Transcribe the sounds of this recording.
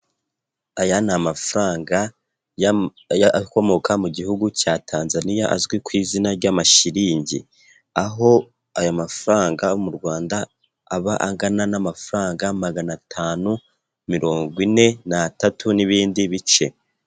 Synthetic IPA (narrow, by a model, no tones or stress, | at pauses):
ajanamafɾaːŋɡa | ko̞mo̞kʰamuɟihuɡucaːtʰaːnzanijaʔazɡwikwiːzinaɾɟamaʃiɾiːɲɟḭ | aɦo̞ | ajamafuɾaːŋɡamuɾɡwaːndaː | βaʔaŋɡananamafuɾaːŋɡamaɡanatʰaːnu | miɾo̞ːŋɡwine̞natatʰuniβiːndiβit͡ʃe̞̰